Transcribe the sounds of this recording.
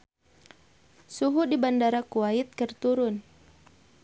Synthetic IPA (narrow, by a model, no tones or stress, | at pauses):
suɦudibandaɾakuaɪt̪̚kərt̪uɾʊn